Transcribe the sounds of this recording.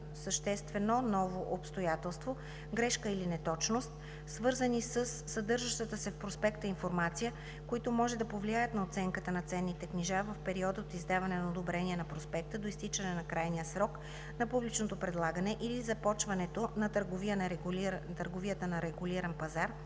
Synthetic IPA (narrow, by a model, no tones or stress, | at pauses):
səʃt̪ɛst̪vɛnonɔvoʔopst̪ojat̪ɛlˠst̪vo | ɡɾɛʃkəilinɛt̪ɔt͡ʃnost̪ | svɤɾzənisəsːɐd̪ɤɾʒəʃt̪ət̪əsɛfpɾospɛkt̪əinfoɾmat̪sijə | koit̪omɔʒɛd̪ɐpovliajət̪nɐot̪sɛŋkət̪ənɐt̪sɛnːit̪ɛkniʒavɐfpɛɾiɔd̪əot̪izd̪avɐnɛnɐod̪obɾɛniɛnɐpɾospɛk̚t̪əd̪oist̪it͡ʃɐnɛnɐkɾajnijəsɾɔk | nɐpublit͡ʃnot̪opɾɛd̪lˠaɡənɛʔilizɐpɔt͡ʃvɐnɛt̪onɐt̪əɾɡovijənt̪əɾɡovijət̪ənɐɾɛɡuliɾɐnpɐzaɾ